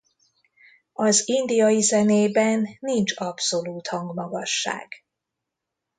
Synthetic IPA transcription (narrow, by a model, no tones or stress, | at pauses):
ɒzind̪ijɒjizɛneːbɛnːint͡ʃɒpso̞luːt̪hɒŋɡmɒɡɒʃːa̰ːɡ̥